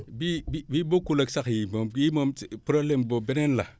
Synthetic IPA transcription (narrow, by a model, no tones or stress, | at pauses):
bibibibokulaksakjimomjimompɾoblembobenenla